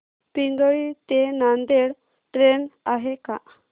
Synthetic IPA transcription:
piŋɡəɭit̪enand̪eɽ | ʈɾenaɦeka

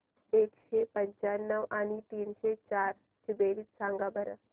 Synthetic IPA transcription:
eːkʃeːpə̃ɲt͡ʃaːnːəwaːnit̪iːnʃeːt͡ʃaːɾ | t͡ʃɪbeːlisãːŋɡabɐɾə̰

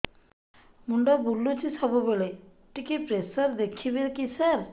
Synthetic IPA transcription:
muɳɖabulːut͡ʃʰisɔbubeɭe | ʈikepɾesəɾd̪ekʰibeɾkisaɾ

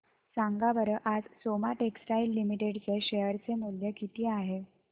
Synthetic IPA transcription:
sãŋɡabəɾəʔad͡zsomaʈeksʈailːimiʈeɽt͡seɕejəɾt͡semuljəkit̪iːaɦe

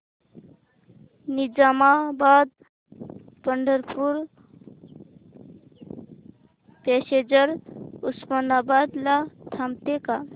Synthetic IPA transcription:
nid͡ʒamabad̪̚ | pəɳɖʱəɾpʰuɾ | pesed͡ʒəɾuspənabad̪lat̪ʰamt̪eka

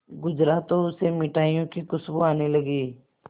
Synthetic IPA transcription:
ɡʊd͡ʒɾaːt̪oʊsemɪʈaːijõkikʊsbuaːnelɐɡiː

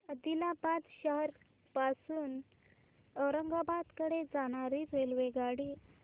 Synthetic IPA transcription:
əd̪ilabad̪ɕəɦəɾ | pasuːn | əwɾəŋɡabad̪kəɽed͡zaɽ̃aɾiɾelʋeɡaɽi

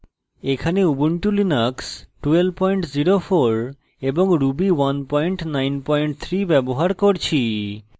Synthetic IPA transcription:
ekʰaneubuɳʈulinaksʈuel̚pɔjɳʈziɾofoɾ | eboŋɾubiwanpɔjɳʈnajnpɔjɳʈt̪ʰɾibɛboɦaɾkoɾt͡ɕʰi

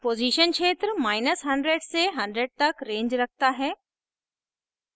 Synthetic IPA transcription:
poːziːʃənt͡ɕʰeːt̪ɾmaːɪnəsɦɐ̃ɳɖɾeːɖseɦɐ̃ɳɖɾeːɖ̚t̪ɐkɾẽːɲd͡ʑɾɐkʰt̪aɦɛː

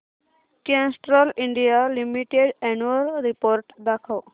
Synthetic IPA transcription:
kẽnsʈɾoliɳɖijalimiʈeɖɛnuəlɾipoːɾʈd̪akʰəw

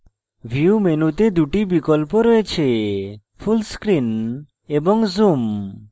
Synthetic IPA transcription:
bʱiumenut̪ed̪uʈibikolpoɾɔet͡ɕʰe | pʰulskɾin | eboŋzum

